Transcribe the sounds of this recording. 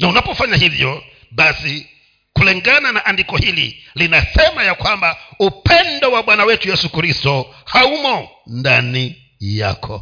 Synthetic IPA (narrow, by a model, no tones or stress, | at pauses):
naunapɔfaɲahivjɔ | ɓasi | kulɛŋɡananaʔandikɔhilḭlinasɛmajakwambaupɛndɔwaɓwanawɛtujɛsukɾistɔ | haumɔ | ndani | ja̰kʰɔ̰